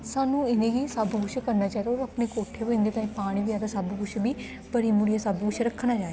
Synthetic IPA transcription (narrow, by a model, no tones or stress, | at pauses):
saːnũːɪnẽːɡiːsabɡʊʃkəɾnaːt͡ʃaːed̪aːɾapneːkoːʈʰeːɦoːɪ̃nd̪eːt̪aːĩːpaːɽ̃iːbɪjaːd̪asabɡʊʃʰbiː | pəɾiːmʊɽijaːsəbɡʊt͡ʃʰɾəkʰːnaːt͡ʃaː